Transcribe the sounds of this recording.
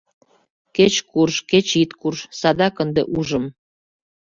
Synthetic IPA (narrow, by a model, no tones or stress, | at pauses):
ket͡ɕkurʃket͡ɕit̪kurʃsɑd̪ɑkənd̪ḛʔuʒəm